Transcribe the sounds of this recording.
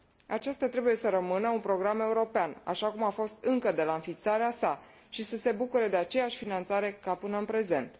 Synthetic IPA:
a̰t͡ʃast̪at̪ɾe̞buje̞səɾəmɨnəunpɾo̞ɡɾame̞uɾo̞peana̰ʃakumafo̞st̪ɨŋkəd̪e̞laɨnfit̪saɾeasa | ʃisəse̞bukuɾəd̪e̞at͡ʃe̞jaʃʲfinant̪saɾe̞kapɨnəɨnpɾe̞ze̞nt̪

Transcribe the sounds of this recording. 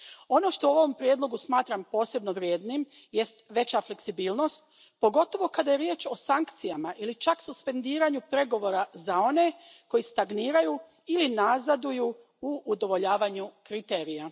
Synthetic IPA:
o̞no̞ʃt̪ouooʋompɾje̞d̪lˠo̞ɡusmaːt̪ɾampo̞ːse̞bno̞ʋɾʲjeːd̪nim | je̞st̪ʋe̞t͡ɕafle̞ksibiːlˠno̞st̪̚ | po̞ɡo̞t̪o̞ʋo̞kad̪ajeɾjeːt͡ʃo̞saŋkt̪sijamaʔilit͡ʃaksuspe̞nd̪iːɾaɲupɾe̞ɡo̞ʋo̞ːɾazao̞ne̞ko̞jist̪aɡniːɾaju | ilinazad̪uju | uːd̪o̞ʋo̞ʎaːʋaɲukɾit̪e̞ːɾija

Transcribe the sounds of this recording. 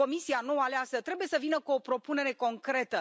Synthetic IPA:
o̞misianoəaleasət̪ɾe̞buje̞səvinəkuo̞pɾo̞pune̞ɾe̞ko̞ŋkɾe̞t̪ə

